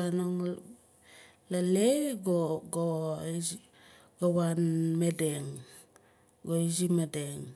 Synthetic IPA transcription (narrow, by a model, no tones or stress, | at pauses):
anoŋ | laleɡoɡo | ɡawanmedeŋ | ɡoid͡ʒimedeŋ